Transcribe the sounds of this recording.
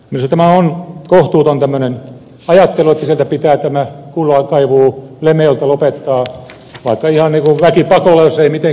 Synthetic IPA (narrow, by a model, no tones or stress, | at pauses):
minst̪æmæonkoht̪uːt̪ont̪æmːønen | ɑjɑt̪ːeluet̪ːæsielt̪æpit̪æːt̪æmækulːɑkɑiʋuːlemeolt̪ɑlopet̪ːɑː | ʋɑikːɑihɑnniːkuʋækipɑkolːɑjosːeimit̪e